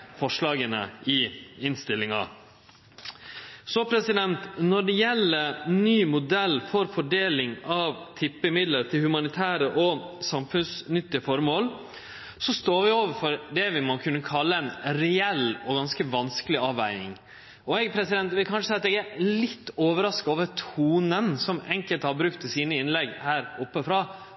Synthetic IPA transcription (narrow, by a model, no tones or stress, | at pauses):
fɔʂɭɑːɡənə̰ɪɪnst̪ɪlːɪŋɑ̰ | sɔpʰɾɛsɪd̪ɛnt̪nɔɖɛjɛlːəɾnyːmʊd̪ɛlːfɔɾfɔɖeːlɪŋɑʋt̪ʰɪpːəɪmɪd̪ləɾt̪ʰɪlhʉmɑnɪt̪ʰæːɾəʔɔsɑmfʉnsnʏt̪ːɪəfɔɾmoːl | sɔst̪oːɾʋɪoːʋəɾfɔɾd̪ɛʋɪmɑnkʰʉnːəkʰɑlːəɛnɾɛɛlɔɡɑnskəʋɑnskəlɪɑːʋæ̰ɪnɪ̰ŋ | ɔɛɡpʰɾɛsɪd̪ɛnt̪ʋɪlkʰɑnʂəsɛɪɑt̪ɛɡæɾlɪt̪ːoːʋəɾɑskɑoːʋəɾt̪ʰuːnənsɔmɛŋkəlt̪hɑɾbɾʉkt̪ʰɪsiːnəɪnlɛɡhæːɾʊpːəfɾɑː